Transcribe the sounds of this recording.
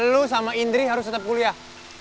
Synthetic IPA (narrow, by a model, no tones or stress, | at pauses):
lusamaind̪ɾiɦaɾʊst̪ət̪əp̚kulia